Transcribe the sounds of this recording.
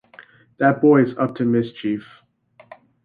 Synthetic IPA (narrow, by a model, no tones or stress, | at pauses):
ðɨt̚b̥ɔɪɨzʌp̚tʰɨmɪst͡ʃʰif